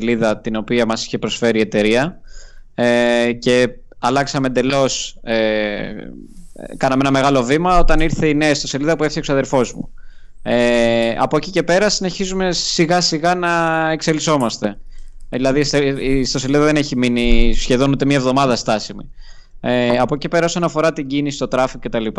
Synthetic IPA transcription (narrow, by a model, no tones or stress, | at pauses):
liðɐt̪ino̞piɐmɐsi̥çe̞pɾo̞sfe̞ɾie̞t̪e̞ɾiɐ | ece̞ | ɐlɐksɐme̞nd̪e̞lo̞se | kɐnɐmeenɐme̞ɣɐlo̞vimɐo̞t̪ɐniɾθe̞ineɐst̪o̞se̞liðɐpueθiosɐðelfo̞zmṵ | eɐ̰poecice̞pe̞ɾɐsine̞çizume̞siɣɐsiɣɐnɐe̞kse̞liso̞mɐst̪e̞ðilɐðisest̪o̞se̞liðɐðe̞ne̞çiminisçe̞ðo̞nut̪e̞mɲɐevðo̞mɐðɐst̪ɐsimḭ | eɐpoce̞pe̞ɾɐo̞sonɐfo̞ɾɐt̪iɲɟinisi̥t̪o̞t̪ɾɐfiɣocet̪ɐlip